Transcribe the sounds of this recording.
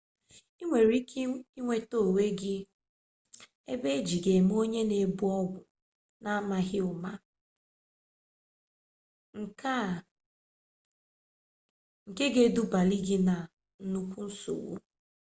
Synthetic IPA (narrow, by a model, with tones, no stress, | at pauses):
i˦ŋʷe˨ɾi˦ki˦ŋʷe˨to˦˨we˦ɡɪ˦ | e˦be˦d͡ʒi˨ɡe˨m˦o˦ɲe˦ne˨bu˦ɔ˦ɡʷʊ˨ | na˦ma˨ɣɪ˦ʊ˨ma˦ | ŋ̩˨ka˦˨ | ŋ̩˨ke˦ɡe˨du˦ba˨li˦ɡɪ˦na˨ | n̩˦˨nu˦kʷu˦n̩˦sṵ˨wṵ˦